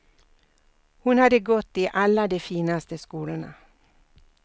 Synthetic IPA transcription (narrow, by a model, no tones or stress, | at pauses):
hʊnhɑd̪əɡɔt̪ːiːʔɑlːəd̪eːfiːnast̪əskuːlənə̰